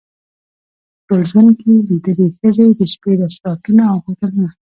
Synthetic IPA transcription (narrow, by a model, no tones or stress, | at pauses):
ʈolʒwand̪̚kelid̪əlexəzed̪əʃped̪asʈɑtunaːwxakaɾuna